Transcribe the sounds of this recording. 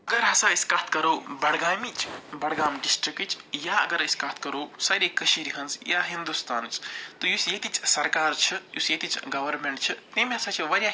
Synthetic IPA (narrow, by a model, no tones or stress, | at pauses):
ɐɡəɾɦɐsaiskaːt̪ʰkɐɾobɐɽɡaːmit͡ʃʰbɐɽɡaːmɖisʈɾikt͡ʃʰjaɐɡəɾɐskaːt̪̚ʰkɐɾosaɾekɐʃiɾiɦɐnsjaɦind̪ust̪aːnt͡ʃt̪ɔjusjet̪it͡ʃʰsɐɾkaːɾt͡ʃʰɐjusjet̪it͡ʃʰɡɐʋəɾmeɳʈt͡ʃʰɐt̪ɐmeɦɐsãt͡ʃʰiʋɐɾja